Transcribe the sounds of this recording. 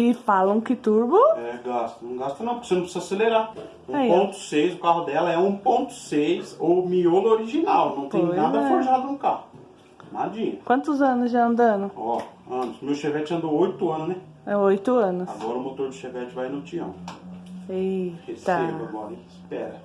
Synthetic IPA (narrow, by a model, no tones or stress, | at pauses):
ɪfalɐ̃w̃kɪt̪uɾbʊɛɡast̪ɐnɐ̃w̃ɡast̪ɐnɐ̃pɾkesenɐ̃pszaseleɾa | ũaipõt̪ʊ̥sejzʊkaɦʊd̪ɛlɐɛũpõnt̪ʊ̥sejsomiolʊoɾiʒinawnɐ̃w̃t̪ẽnad̪ɐfoɾʒad̪ʊnʊkahʊ | ma̰d͡ʒĩɲɐkwɐ̃nt̪ʊzɐ̃nʊzʒaɐ̃nd̪ɐ̃nʊ̃ɔɐ̃nʊsmewʃevɛt͡ʃɪɐ̃nd̪oojt̪ʊɐ̃nʊznɛ | ojt̪ʊɐ̃nʊsaɡɔɾɐʊmot̪oɾd͡ʒɪʃevɛt͡ʃɪvajnot͡ʃiɐ̰̃w̃ | ikest̪eomɔ̰ɾḭ̃spɛ̰ɾɐ